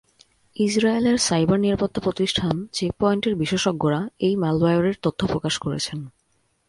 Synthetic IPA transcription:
id͡ʑɾaeleɾsajbaɾniɾapot̪ʰːopɾot̪iʃʈʰant͡ɕepɔjɳʈeɾbiʃeʃoɡːoɾaejmɛlbajoɾeɾt̪ot̪ʰːopɾokaʃkoɾḛt͡ɕʰen

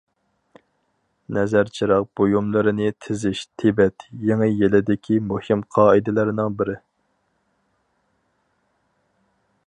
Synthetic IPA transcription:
nɛzæɾt͡ʃʰiɾɑq̚b̥ojumlˠɨɾɨnɪt̪ʰɪzɪʃt̪ʰebɛt̪jeŋɪjelɪd̪ɪkʲʰimuhimqʰɑːɨd̪ɪlɪɾnɪŋbɪɾɪ

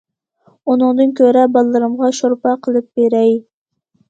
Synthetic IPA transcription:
unɨŋd̪ɨnkʲʰøɾɛbɑlˠːɨɾɨmʁɑʃoɾpɑqʰəlˠɨp̚b̥eɾɛj

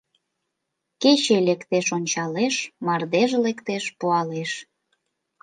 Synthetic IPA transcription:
ket͡ɕelekt̪eʃonʲt͡ɕɑleʃmɑrd̪eʒlekt̪eʃpuɑleʃ

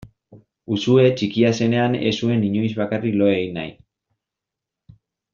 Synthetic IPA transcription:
usue̞t͡ʃikiase̞ne̞ane̞̰sue̞niɲo̞jzβakariklo̞ejna̰j

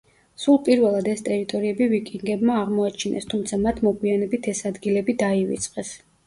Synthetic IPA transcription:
sulˠpʼiɾvɛlˠad̪ɛst̪ʼɛɾit̪ʼɔɾiɛbivikʼiŋɡɛbmaːʁmɔat͡ʃʰinɛ̰st̪ʰumt̪sʰamat̪ʰmɔkʼwianɛbit̪ʰɛsad̪ɡilɛbid̪aivḭt̪sʼqʼɛs

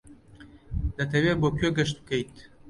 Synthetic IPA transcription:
d̪ɐt̪ʰɐwebokjoɡəʃt̪̚kejt̪

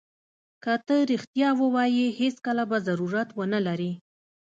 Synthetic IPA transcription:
kət̪əɾixt̪jɑwəwɑjiheskəlabazaɾuɾat̪wənəlaɾi

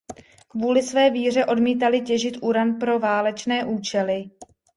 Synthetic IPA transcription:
kvuːlɪsvɛːviːr̝ɛʔo̞dmiːt̪alɪcɛʒɪt̪ʔuɾanpɾo̞vaːlɛt͡ʃnɛːʔuːt͡ʃɛlɪ

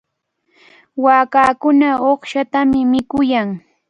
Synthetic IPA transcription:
waːkaːkʊnaoχʃat̪amɪmɪkʊjaŋ

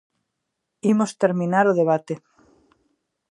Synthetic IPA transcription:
imost̪eɾmĩnaɾoð̞eβ̞at̪e

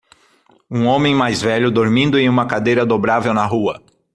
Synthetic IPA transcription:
ũõmẽj̃majzvɛʎʊd̪oɾmĩnd̪ʊẽj̃ũmɐkad̪ejɾɐd̪obɾavewnɐɦuɐ

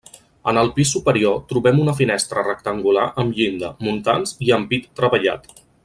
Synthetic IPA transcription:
ənəlˠpisːupəɾiot̪ɾuβɛmunəfinɛst̪ɾərək̚t̪əŋɡula̰ʔəmʎind̪əmunt̪anziəmpit̪ːɾəβəʎa̰t̪

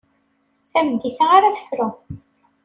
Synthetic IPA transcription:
θæmd̪iθaʁaɾaθə̥fɾʊ

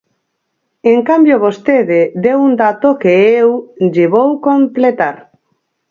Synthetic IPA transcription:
eŋkambjoβost̪eðed̪ewund̪at̪okeewʎeβ̞owkomplet̪aɾ

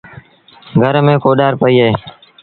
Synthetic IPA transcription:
ɡʱəɾmẽːkoːɗaːɾpəiːɦeː

